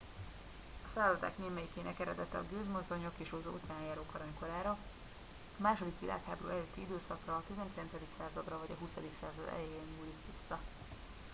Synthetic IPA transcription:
ɒsaːlzɒt̪a̰ːkneːmɛjikeːnɛkɛɾɛd̪ɛt̪ɛɒ̰ɡøːzmolt̪o̞ɲo̞keːʃozo̰ːt̪sɛaːnjaːɾoːkɒɾɒɲko̞laːɾɒ | ɒmaːʃo̞d̪ikʋila̰ːkhaːboɾṵːɛløːt̪ʰːiid̪øːsɒkrɒːt̪izɛŋkilɛnsɛd̪iksaːzɒd̪rɒvɒɟɒɦusɒd̪iksa̰ːzɒd̪ɛ̰jejeɲːuːlikʋisːɒ

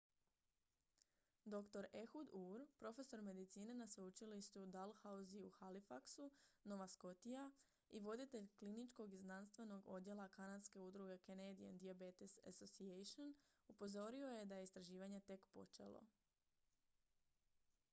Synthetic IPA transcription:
d̪o̞kt̪o̞ɾe̞xud̪uɾpɾo̞fe̞so̞ɾme̞d̪it̪siːne̞nasʋeut͡ʃiliʃt̪ud̪alˠhauziuxalifaksuno̞ʋasko̞t̪ija | iʋo̞d̪it̪e̞ʎklinit͡ʃko̞ɡiznanst̪ʋe̞no̞ɡo̞d̪je̞lˠakanad̪ske̞ud̪ɾuɡe̞kened̪ia̰nd̪iabet̪isa̰sosiejʃonupo̞zo̞ɾio̞je̞d̪ajeist̪ɾaʒiːʋaɲe̞t̪e̞kpo̞̰t͡ʃe̞̰lˠo̰

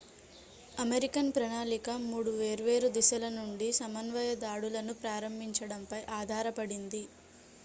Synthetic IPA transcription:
ɐmeɾikɐnpɾɐnaːlikɐmuːɽuʋeːɾʋe̞ːɾud̪iʃɐlɐnuɳɖisɐmɐnʋɐjɐd̪aːɽulɐnupɾaːɾɐmbʱiɲt͡ʃɐɽɐmpɐjʔaːd̪ʱaːɾɐpɐɽind̪i

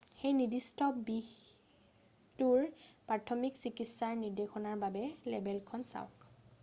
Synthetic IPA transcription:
xejnidistɔbix | tuɹpɹatʰɔmiksikitsaɹniɹdexɔnaɹbabɛlɛbɛlkʰɔnsa̰ʊk

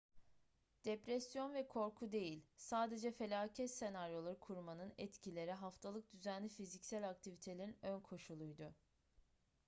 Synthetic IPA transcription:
d̪̥ɛpɾɛsijo̞nvɛkʰo̞ɾkʰud̪e̞jilʲsaːd̪e̞d͡ʒɛfe̞lʲaːcʰɛt̪se̞naɾjo̞lˠaɾɯkʰuɾmanɯnɛt̪cʰilʲe̞ɾɛɦaft̪ʰalˠɯk̚d̪yzænlʲifizicsælʲak̚t̪ʰivit̪ʰe̞lʲeinø̞nkʰo̞ʃulˠujd̪ʊ

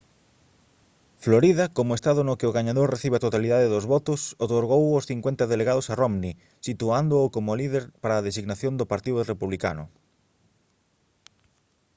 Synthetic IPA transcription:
floɾiðɐkomʊest̪aðʊnʊkɪʊɣaɲaðoɾreθiβeat̪ot̪aliðaðeðozβɔt̪ʊsot̪oɾɣowosθiŋkwent̪aðeleɣaðosaromni | sit̪uand̪ʊokomoliðeɾpaɾaːðesiɣnaθjond̪ʊpaɾt̪iðʊrepuβlika̰nʊ̰

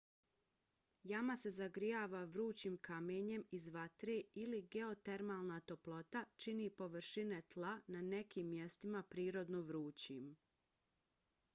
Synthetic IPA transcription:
jamase̞zaɡɾijaːʋaʋɾuːt͡ɕiːmkameːɲe̞mizʋat̪ɾeːiliɡe̞o̞t̪e̞ɾmaːlˠnat̪o̞plˠo̞t̪at͡ʃinipo̞ʋɾʃine̞t̪lˠanane̞kiːmːjest̪imapɾiːɾo̞d̪noʋɾuːt͡ɕim

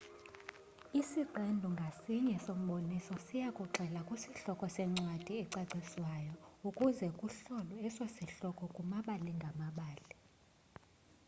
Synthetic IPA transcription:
isiǃɛndʱuŋɡʱasiɲɛsom̩ɓonisɔsijakʼuǁʱɛlakʼwusiɬɔkʼɔsɛŋ͡ǀwad̥ʱiɛǀaǀiswajɔukʼuzɛkʼuɬɔlɔɛswesiɬɔkʼɔkʼumaɓaliŋɡʱamaɓaːli

